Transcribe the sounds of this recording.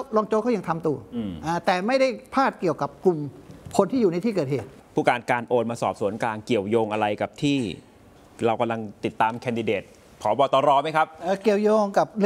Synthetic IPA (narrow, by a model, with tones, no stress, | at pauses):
wlɔː˧ŋt͡ɕoː˧kʰɔ˥˩ja˧ŋt̪ʰa˧mt̪u˧ɐ˧ʔaː˧˩t̪ɛː˨˩ma˥˩jda˥˩jpʰaː˥˩t̪̚ki˨˩əwka˨˩p̚ku˨˩mkʰo˧nt̪ʰiː˥˩juː˨˩na˧jt̪ʰiː˥˩kɤː˨˩t̪̚heː˨˩t̪̚ | pʰuː˥˩kaː˧nkaː˧nʔoː˧nmaː˧sɔ̰ː˨˩p̚su˩˦ənkaː˧nki˨˩əwjoː˧ŋʔa˧ɾa˧jka˨˩p̚t̪ʰiː˥˩ | ɾa˧wka˧mla˧ŋt̪i˨˩t̪ːaː˧mkʰɛː˧ndi˧deː˨˩t̪̚ | kʰɔː˩˦bɔː˧t̪ɔː˨˧ɾɔː˧˩ma˦˥jkʰa˦˥p̚ʔaː˧˩ki˨˩əwjoː˧ŋka˨˩p̚l